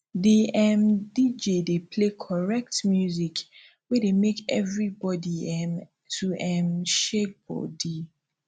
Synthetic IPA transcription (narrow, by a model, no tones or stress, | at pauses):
diɛmdid͡ʒedepʰlekʰɔɹɛk̚tmjuzik | wɛdemekɛvɹibɔdiɛm | tʰuɛmʃek̚bɔ̰di